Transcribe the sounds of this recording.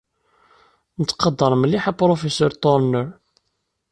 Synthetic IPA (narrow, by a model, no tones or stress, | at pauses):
nət͡s̪ːqɑd̪ːəɾˤməlːiħapɾofesəɾt̪ːoɾnəɾ